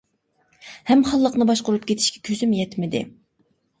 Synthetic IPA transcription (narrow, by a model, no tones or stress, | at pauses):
hɛmχɑlˠːəqnɨbɑʃqʊɾup̚kʲʰet̪ʰɪʃkʲʰɛ̥kʲʰøzymjɛt̪mɪd̪ɪ̰